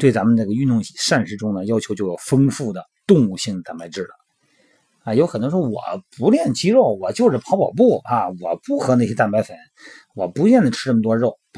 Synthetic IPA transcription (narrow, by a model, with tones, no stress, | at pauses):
t̪we˥˩ɪt͡sa˧˥mə˨˧nʈ͡ʂa˥˩ɡə˩y˥˧nt̪ʊ˥˩ŋi˨˩ʂa˥˧nʂɻ̩˧˥ʈ͡ʂʊ˥ŋnə˨jɑ˥ʊt͡ɕʰo˧˥ʊt͡ɕjo˥˧ʊjɑ˨˩ʊfɤ˥ŋfu˥˩d̪ə˩t̪ʊ˥˧ŋu˥˧ɕi˥˩ŋd̪ə˩t̪a˥˩npa˧ɪʈ͡ʂɻ̩˥˩lə̰˩ | a˧˩jo˧˥ʊxnt̪wʂ̩˥˧˥wɔ̰˨˩˦pu˧˥ljɛ˥˩nt͡ɕi˥ɻo˥˩ʊwɔ˨˩t͡ɕjo˥˧ʊʂ̩˨˩pʰɑ˧˥pɑ˨˩ʊp̬u˥˩a˧˩wɔ˨˩pu˧˥˩xɤ˧˥na˥˩ɕ̬jɛ˥t̪a˥˧npa˥ɪfə˧˥˦n | wɔ˨˩pu˧˥t͡ɕɥɛ˥˩nd̪ə˩ʈ͡ʂʰɻ̩˥ʈ͡ʂɤ˥˩m˩t̪wɔ˥˧ɻo˥˩ʊ